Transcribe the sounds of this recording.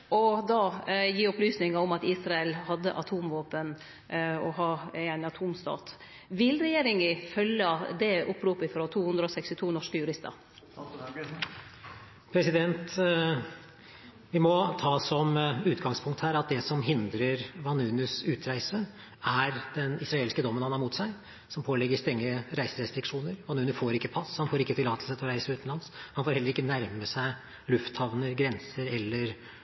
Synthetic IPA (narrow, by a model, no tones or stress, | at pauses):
ʔɔd̪ɑːjiːʊplyːsnɪŋəɾɔmɑt̪iːsɾɑɛlhɑd̪ːə̰ʔɑt̪ʰuːmʋoːpən | ɔɦɑːææɪnɑt̪ʰuːmst̪ɑ̰ːt̪ | ʋɪlɾɛjeːɾɪŋɪfœlːəd̪ɛʔʊpːɾuːpɪfɾɔt̪ʰuːhʉnd̪ɾəɔsɛkst̪ɪt̪ʰuːnɔʂkəjʉɾɪst̪ə̰ɾ | pʰɾɛsɪd̪ɛnt̪ | ʋɪmɔt̪ʰɑːsɔmʉːt̪ɡɑŋspʰʊŋkt̪hæːɾɑt̪̚d̪ɛsɔmɦɪnd̪ɾəɾʋɑnʉːnʉsʉːt̪ʰɾæɪsə | æɾd̪̥ɛnɪsɾɑeːlɪskəd̪ɔmːənhɑnhɑɾmuːt̪sæɪ | sɔmpʰoːlɛɡːəst̪ɾɛŋːəɾæɪsəɾɛst̪ɾɪkʂuːnəɾʋɑnʉːnʉfoːɾɪkːəpʰɑshɑnfoːɾɪkːət̪ɪlːɑːt̪əlsət̪ʰlɔɾæɪsəɾʉːt̪n̩lɑnshɑnfoːɾhɛlːəɾɪkːənæɾməsæɪ | lʉft̪hɑʋnəɾɡɾɛnsəɾɛlːəɾ